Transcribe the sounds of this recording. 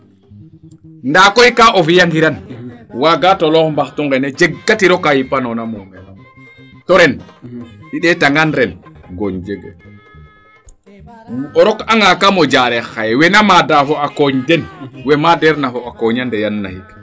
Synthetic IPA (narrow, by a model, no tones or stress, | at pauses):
ndakɔjkaʔɔfijaŋɡiɾanwaɡatɔlɔkmbaxtuŋɡɛnɛd͡ʒɛɡːatiɾɔkajipanɔnamɔmɛlam | tɔɾɛn | ɗiɗɛtaŋɡanɾɛn | ɡɔɲd͡ʒɛɡɛ̰ | ɔɾɔkaŋɡakamɔd͡ʒaɾɛxajɛwɛnamadafɔakɔɲdɛnwɛmadɛɾnafɔakɔɲandɛjanːa̰hikḁ